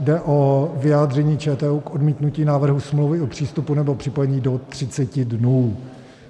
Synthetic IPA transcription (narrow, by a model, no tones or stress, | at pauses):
dɛʔovɪjaːd̪rɛɲiːt͡ʃɛːt̪ɛːukʔodmiːt̪nuciːnaːvr̩ɦusmlowvɪopr̝̥iːst̪upunɛbopr̝̥ɪpojɛɲiːdo̞t̪r̝̥ɪt͡sɛcɪdnuː